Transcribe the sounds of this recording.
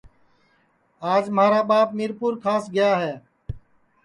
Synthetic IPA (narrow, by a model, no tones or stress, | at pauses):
aːd͡ʒmaːɾaːɓaːpmiːɾpuːɾkʰaːsɡɪjaːɦɛː